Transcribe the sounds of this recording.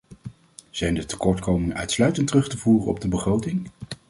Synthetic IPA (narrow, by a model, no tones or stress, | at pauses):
z̥ɛjndətə̥kɔɹtkowmɪŋənʔœ̰ɥtslœɥtəntrɵχtəvuːrənɔ̰b̚dəbəχrowtɪŋ